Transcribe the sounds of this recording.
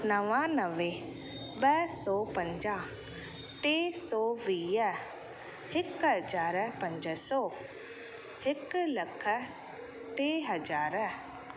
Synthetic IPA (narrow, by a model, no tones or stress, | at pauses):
nəʋãnəʋẽː | bɛːsɔːpəɲd͡ʒaː | ʈeːsɔːʋiːɛ | hɪkɦəd͡ʒaːɾɛpəɲd͡ʒəsɔː | hɪkləkʰːə | ʈeːɦəd͡ʒaːɾɛː